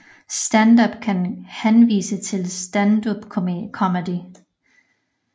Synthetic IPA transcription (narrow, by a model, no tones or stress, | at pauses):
sd̥ænd̥ɐb̥kʰænhænʋḭːsət͡sʰe̝lsd̥ænd̥ob̥kʰkʰɒməd̥i